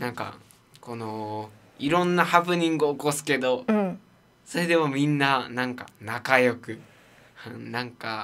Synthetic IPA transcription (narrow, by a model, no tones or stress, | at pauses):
nãŋka̰ | ko̞no̞ | iɾõ̞nːahapɯ̟ɲ̟ĩŋɡɯoːko̞sɨ̥ke̞d̪o̞ | soɾe̞d̪e̞momʲĩnːanãŋka̰nakajo̞kɯ̟ | ɯ̃nãŋka